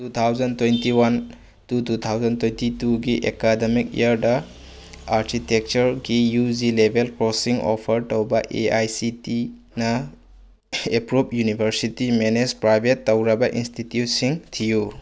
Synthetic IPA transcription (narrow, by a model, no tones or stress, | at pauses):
tut̪ʰawzɐntwentiwan | tutut̪ʰawzɐntwentituɡiʔekademikḭɐɾdɐ | aɾkʰitek̚t͡ʃɐɾɡijud͡ʒilebʱelkɾɔsiŋɔ̰pʰɐɾtowbɐʔeajsiti | nɐ | epɾupjunibʱɐɾsitimenespɾajbʱetːɐwɾɐbɐʔinstitjut̚siŋtʰiju